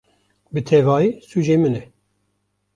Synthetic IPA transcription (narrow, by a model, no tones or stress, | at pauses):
bɨt̪ʰɛvɑːjiːsuʒeːmɨnɛ